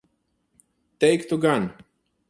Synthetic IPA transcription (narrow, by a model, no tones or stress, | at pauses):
teɪktəɡãn